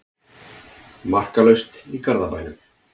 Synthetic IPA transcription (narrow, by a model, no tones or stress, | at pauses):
mar̥kalœɥst̪ikaɾðapajnʏm